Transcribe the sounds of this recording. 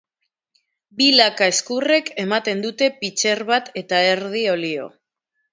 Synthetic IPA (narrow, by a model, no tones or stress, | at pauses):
bilakaeskure̞ke̞mat̪e̞nd̪ut̪e̞pit͡ʃe̞ɾβat̪e̞t̪ae̞ɾðio̞lio̞̰